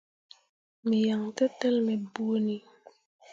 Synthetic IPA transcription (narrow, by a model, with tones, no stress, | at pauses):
mi˨ja˨ŋtɛ˦tːɛ˦lmɛ˨bu˦ni˨